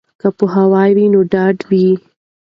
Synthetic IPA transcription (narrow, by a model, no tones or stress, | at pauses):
kapoɦawɑjwinoɖɑɖwi